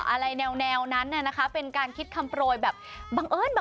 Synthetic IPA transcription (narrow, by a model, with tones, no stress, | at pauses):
ʔa˧ɾa˧jnɛː˧wnɛː˧wna˦˥nːa˥˩na˦˥kʰa˦˥pe˧nkaː˧nkʰi˦˥t̪̚kʰa˧mpɾoː˧jbɛː˨˩p̚ba˧ŋʔɤː˧˥˨nba˨˩